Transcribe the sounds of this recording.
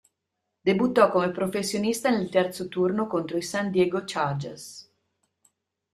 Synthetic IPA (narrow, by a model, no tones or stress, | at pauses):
d̪ebut̪ːɔkːomepɾofesːjonist̪anelt̪ɛrt̪sot̪urnokont̪ɾoisand̪jɛɡot͡ʃard͡ʒes